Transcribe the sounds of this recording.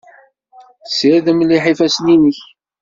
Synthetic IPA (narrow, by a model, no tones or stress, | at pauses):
sɪðəmliħifæsninəç